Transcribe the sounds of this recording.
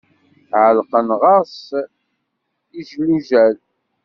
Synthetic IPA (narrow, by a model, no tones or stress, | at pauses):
ʕəlqənʁɑs | iʒluʒæl